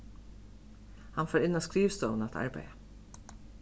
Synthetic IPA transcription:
hɑnfoːɹɪnoːskɾiːʋst̪əʊn̩ɑt̪ʰɑ̰ɹbæ̰ɪə

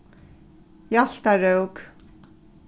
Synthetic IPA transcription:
jaɬt̪aɾœwk

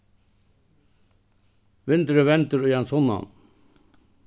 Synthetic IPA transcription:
ʋɪnt̪əɾəʋɛnt̪əɾyjɛnsɔnːɑ̰n

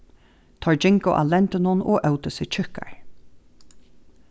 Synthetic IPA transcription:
t̪ʰɔɹd͡ʒɪŋkʊʔa̰lɛnt̪ɪnʊnʔɔ̰ːʔœwt̪əsɪt͡ʃʰʏhka̰ɹ

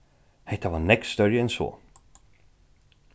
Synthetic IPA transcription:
hɛht̪avaɾnɛkst̪œɾjəɛnsɔ̰ː

